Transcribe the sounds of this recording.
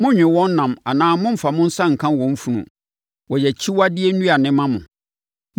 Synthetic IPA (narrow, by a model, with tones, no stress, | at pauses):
mʊ̃˦ɲᶣɪ̃˨wɔ̃˦n˦nã˨ma˨nãː˦mʊ̃˦m̩˨fa˨mʊ̃˦n̩˦sã˦˨ŋ̩˨kʰã˦˨wɔ̃˨m̩˦fu˨nṵ̃˨ | wɔ˨jɛ˨t͡ɕʰi˦wa˦dɪ˦ɛ˦n̩˦ũ˦a˨nɪ̃˦mã˦mʊ̰̃˨